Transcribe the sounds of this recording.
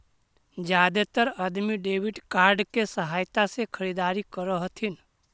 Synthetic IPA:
d͡ʒjaːd̪et̪əɾəd̪miɖeːʋɪɖkaːɾɖkesəɦaːjt̪asekʰəɾid̪aːɾikəɾəɦət̪ʰin

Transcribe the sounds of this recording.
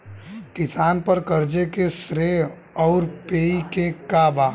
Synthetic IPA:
kɪsaːnpəɾkəɾd͡ʒekesɾeɦ | ɔːɾpeːikekaːbaː

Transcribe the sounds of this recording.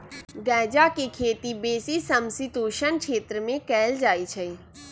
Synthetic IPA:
ɡɛːd͡ʒakekʰeːt̪ibeːsisəmsit̪uːʃənkʃʰeːt̪ɾəmẽkɛːld͡ʒaːit͡ʃʰɛ

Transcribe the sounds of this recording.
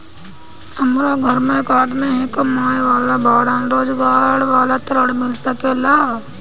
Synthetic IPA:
ɐmɾaɡʱəɾmẽkaːɾɖmẽɦẽkəmaːjʋaːlabaːɽanɾoːd͡ʒɡaːɽʋaːlat̪əɾəɽmɪlsəkelaː

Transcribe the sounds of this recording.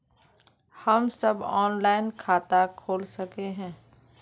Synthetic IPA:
hɐmsɐbɔːnlaːɪnkʰaːt̪akʰoːlsɐkeɦɛ̃ː

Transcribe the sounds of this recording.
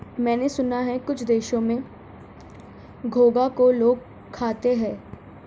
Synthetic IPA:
mɛ̃ːnesʊnaɦɛkʊt͡ʃʰd̪eːʃõmẽ | ɡʱoːɡakoloːɡ̚ | kʰːaːt̪eɦɛ̃ː

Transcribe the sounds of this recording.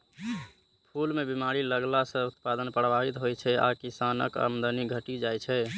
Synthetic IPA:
pʰulmebimaɾiləɡlasə̃ut̪pad̪ənpɾəbʱaɦit̪ɦojt͡ʃʰɛa̰kisanə̰kə̰md̪əniɡʱəʈid͡ʒajt͡ʃʰɛ

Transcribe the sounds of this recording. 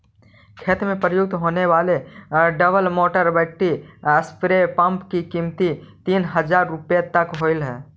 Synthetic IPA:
kʰeːt̪mẽpɾəjʊɡ̚t̪ɦoːneʋaːleɖəbəlmoːʈəɾbɛk̚ʈiəspɾepə̃mpkikiːmt̪it̪iːnɦəd͡ʒaːɾːʊpjet̪əkɦoːɪlɦɛ̰̃ː

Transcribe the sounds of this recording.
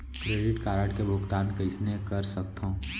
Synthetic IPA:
kɾeːɖɪʈkaːɾaːʈkebʱʊɡt̪aːnkɪsnekɐɾsɐk̚t̪ɦõ

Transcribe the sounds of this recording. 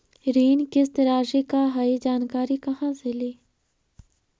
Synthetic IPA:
ɾiːnkɪst̪ɾaːʃekaɦaid͡ʒaːnkaːɾikɐɦãseliː

